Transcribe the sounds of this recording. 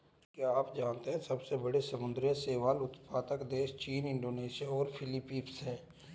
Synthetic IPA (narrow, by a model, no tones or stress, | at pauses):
kjeaːpd͡ʒaːnt̪eɦɛ̃sɐbsebɐɽesəmʊ̃nd̪ɾjə̃seːʋaːlʊt̪paːt̪əkd̪eːʃt͡ʃiːnɪ̃ɳɖoːneːʃijaɔːɾpʰɪlɪpːiːpsɦɛː